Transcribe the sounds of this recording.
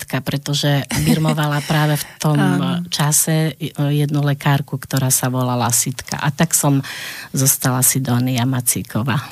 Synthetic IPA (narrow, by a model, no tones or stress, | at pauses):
t̪kapɾɛt̪ɔʒɛbiɾmɔʋalapɾaːʋɛft̪ɔmt͡ʃasɛjɛd̪nulɛkaːɾkukt̪ɔɾaːsaʋɔlalasit̪ka̰ʔat̪aksɔmzɔst̪alasid̪ɔːniamat͡sḭkɔʋaː